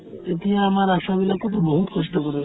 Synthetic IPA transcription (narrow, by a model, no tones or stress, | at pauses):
et̪ieamaɾaʃabilakot̪oboɦut̪kʰɔʃʈokoɾe